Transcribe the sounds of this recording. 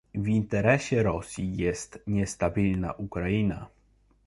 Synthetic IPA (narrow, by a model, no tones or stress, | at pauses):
vʲint̪ɛɾɛɕɛɾɔsʲjijɛst̪ɲɛst̪abʲilna̰ʔukɾaina̰